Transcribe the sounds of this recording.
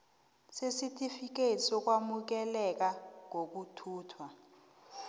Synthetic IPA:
sesitʰʼifik̬esɔk̬wamuk̬ɛlɛk̬aŋok̬utʰuːtʰwa

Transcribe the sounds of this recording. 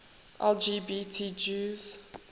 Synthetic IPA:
ʔɛld͡ʒibitʰid͡ʒuz̥

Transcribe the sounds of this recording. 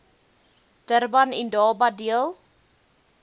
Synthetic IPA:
d̥ərbɐnɛndɑːbɐdiəlˠ

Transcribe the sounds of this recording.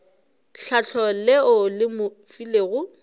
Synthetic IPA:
ɬaɬʰɔleʊlɪmʊ | fileɣʊ

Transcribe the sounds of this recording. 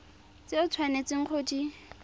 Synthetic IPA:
t͡sɪʊt͡sʰwanet͡sɪŋ̩q͡χʰodi

